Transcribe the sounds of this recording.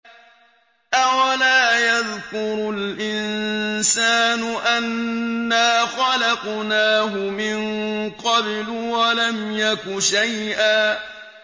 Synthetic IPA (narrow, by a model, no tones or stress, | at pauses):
ʔawalaːjaðkʊɾʊlʔɪnsaːnʊʔanːaːxɑlɑqnaːɦʊmɪŋqɑblʊwalamjakʊʃajʔaː